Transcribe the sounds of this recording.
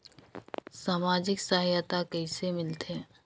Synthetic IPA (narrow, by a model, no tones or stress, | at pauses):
saːmaːd͡ʒɪksaːɦjat̪akɐisemɪlt̪ɛ̃ː